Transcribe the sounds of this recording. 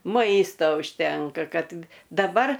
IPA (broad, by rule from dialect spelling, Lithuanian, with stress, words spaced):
ˈmɐɪstoː ʊʃʲˈtʲɛŋkɐ ˈkɐt dɐˈbɐr